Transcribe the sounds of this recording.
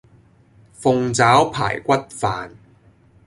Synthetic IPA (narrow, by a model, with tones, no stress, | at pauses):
fʊ˧ŋt͡saː˨˥wpʰa̰ː˨˩jkʷɐ˥t̚faː˧n